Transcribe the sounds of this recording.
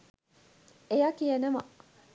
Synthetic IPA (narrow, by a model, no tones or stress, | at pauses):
ʔejakijanɐma̰